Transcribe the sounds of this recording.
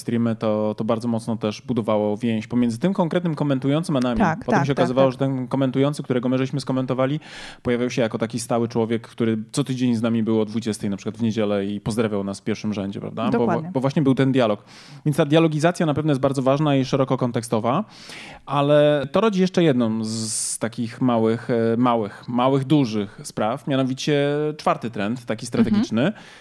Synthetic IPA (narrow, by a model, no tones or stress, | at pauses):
st̪ɾʲimɘt̪ɔt̪ɔbaɾd̪zɔmɔt̪snɔt̪ɛʂbud̪ɔvawɔvʲjẽw̃ɕt͡ɕpɔmʲjɛnd̪zɘt̪ɘmkɔŋkɾɛt̪nɘmkɔmɛnt̪ujɔnt̪sɘmanamʲipɔt̪ɛmɕ̬ɛɔkazzɨvawɔʐɛt̪ɛnkɔmɛnt̪ujɔ̃nt̪sɘkt̪uɾɛɡɔmɘʐɘɕmɘskɔmɛnt̪ɔvalʲipɔjavʲjawɕɛjakɔt̪akʲist̪awɘt͡ʂwɔvʲjɛkːt̪uɾɘt̪sɔt̪ɘd͡ʑeɲznamʲibɘwɔd̪vud͡ʑɛst̪ɛjnapʂɘkwad̪vɲed͡ʑɛlɛipɔzd̪ɾavʲjawnasfpʲjɛɾfʂɘmʐɛɲd͡ʑɛ̰pɾa̰vd̪abɔabɔvwaɕɲɛbɘwt̪ɛnd̪jalɔk | vʲjɛnst̪ad̪jalɔɡʲizat̪sʲjanapɛvnɔjɛst̪baɾd̪zɔvaʐnaiʂɛɾɔkɔkɔnt̪ɛkst̪ɔva | ʔalɛt̪ɔɾɔd͡ʑijɛʂt͡ʂɛjɛd̪nɔmzt̪akʲixmawɘxmawɘxmawɘɣd̪uʐɘxspɾafmʲjanɔvʲit͡ɕɛt͡ʂfaɾt̪ɘt̪ɾɛnt̪ːakʲist̪ɾat̪ɛɡʲit͡ʂnɘ